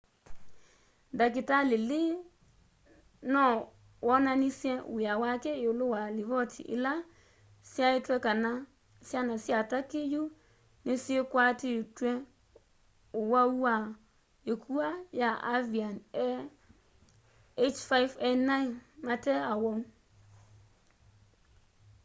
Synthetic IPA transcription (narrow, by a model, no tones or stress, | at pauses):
dak̬ɪtalɪlɪ | nɔ | wɔnanɪsiɛ̃wawakɛɪʊlʊwalivɔtʰḭʔɪ̰la | siaɪtɛkana | sianasiatakɪju | nɪ̃sɪekatɪtuɛ̃ | ʊwawua | jekʰuajaʔavianɛ | et͡ʃfaɪfɛnãɪnmãtɛawɔm